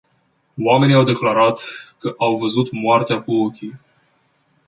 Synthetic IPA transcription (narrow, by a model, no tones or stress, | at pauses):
wame̞niawd̪e̞klaɾat̪kəʔawvəzut̪moart̪eakuo̞kʲi